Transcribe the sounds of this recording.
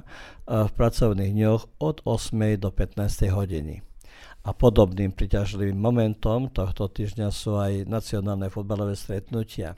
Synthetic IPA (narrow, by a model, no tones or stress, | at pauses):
fpɾat͡sɔʊniːɣɲɔxɔd̪ɔsmɛjd̪ɔpɛt̪naːst̪ɛjɦɔɟḭnḭ | apɔd̪ɔbniːmpɾicaʒliʋiːmːɔmɛnt̪ɔmt̪ɔxt̪ɔt̪iːʒɲasuːajnat͡siɔnaːlnɛfud̪̚balɔʋɛːst̪ɾɛt̪nucʰɪa̰